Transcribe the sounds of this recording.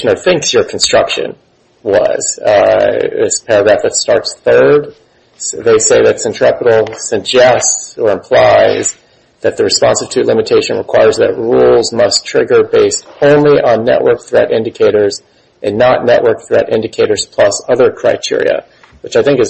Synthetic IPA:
nə˞θɪ̃ŋksjə˞kʰn̩stɹ̥ʌkʃɨ̰̃n | wʌ̰z̥ | ɪ̰spʰɛɹɨɡɹæfðɨtstɑɹtsθɜ˞d̪̚ | ðeɪseɪðɨtsɨ̃ntʰɹ̥ɛpəɾl̩ˠsɨɡ̚d͡ʒɛstsə˞ɨ̃mpʰl̥aɪz | ðɨt̪̚ðɨɹɨspɑ̃nsɨv̥tʰɨlɪ̃mɨtʰeɪʃɨ̃nɹəkʰw̥aɪə˞zðɨ̰t̚ɹulˠzmʌstʰɹ̥ɪɡə˞beɪsthõʊ̃nliʔə̃nːɛ̰ʔwɜ̰˞k̚θɹɛɾʔɪ̃ndɨkʰeɪɾə˞z | ʔɨ̃nːəʔⁿnɛ̰ʔwɜ˞k̚θɹɛɾɪ̰̃ndɨkʰeɪɾə˞z̥pʰl̥ʌsʌðə˞kʰɹ̥aɪtʰɪ̰ɹḭɨ̰ | wət͡ʃaɪθɪ̃ŋkɨz

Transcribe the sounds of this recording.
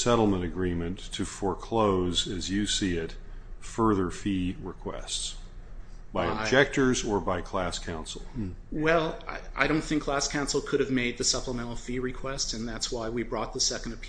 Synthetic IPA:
sɛɾl̩ˠmə̃ɾ̃ɨɡɹĩmɨ̃ntʰɨfəɹkʰl̥oʊzɨzjɨsiɪt | fɜ˞ðə˞fiɹɪkʰw̥ɛ̰sts | b̥aɪɨb̚d͡ʒɛk̚tə˞zə˞baɪkʰl̥æskʰãʊ̃nsl̩ˠwɛlˠa̰ɪa̰ɪɾõʊ̃nθɪ̃ŋkʰl̥æskʰãʊ̃nsl̩ˠkʰʊɾɨvmeɪd̪̚ðɨsʌpləmɛ̃ɾ̃l̩ˠfiɹɨkʰw̥ɛstsɨ̃nðætswaɪwibɹɔt̪̚ðəsɛkn̩dɨpʰ

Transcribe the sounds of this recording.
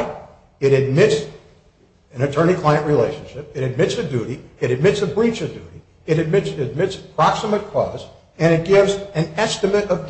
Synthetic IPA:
ɨɾɨd̚mɪts | ɨ̃nɨtʰɜ˞nikʰl̥aɪɨ̃nʔɹileɪʃɨ̃n̩ʃɪp̚ɨɾɨd̚mɪtsɨdʉɾiɨɾɨd̚mɪtsɨbɹit͡ʃʌdʉ̰ɾi | ɨɾɨd̚mɪtsɨd̚mɪtsə̥pʰɹ̥ɑksəmɨt̚kʰɔ̰z̥ | ɨ̃ɾ̃ɨt̚ɡ̥ɪvzɨ̃nɛstɨmɨɾʌvd

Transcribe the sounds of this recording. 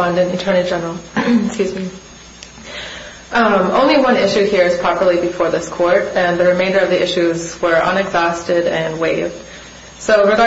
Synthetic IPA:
ʌ̃ndɨ̃nɨ̃ntʰɜ˞nɨd͡ʒɛ̃nl̩ˠskʉzmi | mõʊ̃nliwʌ̃nɪʃʉhiɹɨz̥pʰɹ̥ɑpə˞lˠibɨfɔɹðɪskʰɔɹɾɨ̃nðɨɹɨmẽɪ̃ndə˞ʌvðiʔɪʃʉzwə˞ʔʌ̰̃nɨɡzɔstɪɾɨ̃nweɪvd̥ | soʊɹɨɡɑ

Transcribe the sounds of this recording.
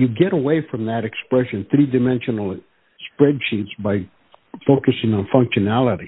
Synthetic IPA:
jɨɡɛɾəweɪfɹʌ̃mðɨɾɨkspɹɛʃɨ̃nθɹidɨmɛ̃nʃɨnl̩ˠ | spɹɛdʃitsbaɪ | foʊkɨsɪ̃ŋə̃nfʌ̃ŋkʃɨnælˠəɾi

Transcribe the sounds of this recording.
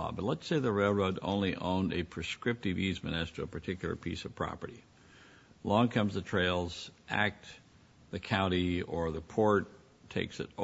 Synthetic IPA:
bʌtˡlətseɪðəɹeɪlˠɹoʊɾõ̰ʊ̃nliʔõʊ̃ndɨpʰɹ̥ɨskɹɪp̚tɨvizmɨ̰nɛstə˞əpʰə˞tʰɪkjl̩ˠə̰˞pʰḭsʌv̥pʰɹ̥ɑ̰pə˞ɾi | lɔ̃ŋkʰʌ̃mzðɨtʰɹ̥eɪlˠz̥ʔæ̰k̚t | ðɨkʰãʊ̃ɾ̃iə˞ðəpʰɔɹtʰ | eɪksɨ̰ɾ

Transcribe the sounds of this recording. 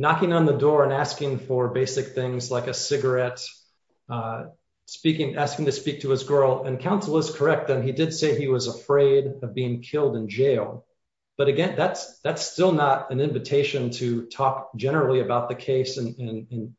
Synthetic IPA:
nɑkɪ̃ŋə̃nðɨdɔɹɨ̃næskɪ̃ŋfə˞beɪsɨk̚θɪ̃ŋzlaɪkɨsɪɡə˞ɛt | spikɪ̃ŋʔæskɪ̃ŋtʰɨspik̚tʰɨɨzɡɜ˞lˠɨ̃nkʰãʊ̃nsl̩ˠəstkʰə˞ɛk̚t̪̚ðɨ̃nidɨd̥seɪiwʌzəfɹeɪɾʌvbiɪ̃ŋkʰɪlˠdɨ̃nd͡ʒeɪlˠ | b̥ʌɾɨɡɛ̃nðætsðætstɪlˠnəɾɨ̃nɪ̃ɱvɨtʰeɪʃɨ̃ntʰɨtʰɔk̚d̥ʒ̥ɛnə˞l̩ˠiɨbaʊt̪̚ðɨkʰeɪsɨ̃nɨ̃nɨ̃n

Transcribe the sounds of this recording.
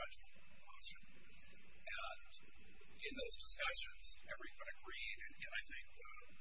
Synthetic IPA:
ɛd͡ʒl̩ˠ | oʊʃɨ̃n | ɨ̃n | ɪ̃nðoʊzdəskʌʃɨ̃nz̥ɛvɹiwʌ̃nɨɡɹiɾɨ̃nɨ̃naɪθɪ̃ŋk̚

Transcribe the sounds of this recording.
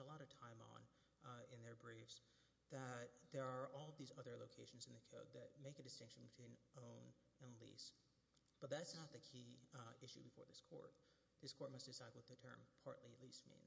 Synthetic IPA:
əlɔɾʌv̥tʰãɪ̃mə̰̃n | ɪ̃nðə˞bɹifz̥ | ðɨt̪̚ðə˞ːʔɔlˠʌvðizʌðə˞loʊkʰeɪʃn̩z̃n̩ðɨkʰoʊd̪̚ðɨt̚meɪkɨdɨstɪ̃ŋkʃn̩bɨtʰw̥ĩnʔõʊ̃n | ɨ̃nlḭs | b̥ʌt̪̚ðætsnət̪̚ðɨkʰiɪʃʉ̰bɨfɔ̰ɹðɪskʰɔ̰ɹt̚ | ðɪskʰɔɹt̚mʌst̚d̥ɨsaɪd̚wʌt̪̚ðɨtʰɜ̰̃˞mpʰɑ̰ɹʔˡlilismḭ̃n

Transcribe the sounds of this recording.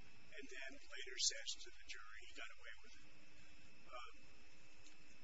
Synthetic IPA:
ɨ̃nðɨ̃nleɪɾə˞sɛʃn̩zʌðɨd͡ʒʊɹiiɡɑɾəweɪwɪð̥ | ʌ

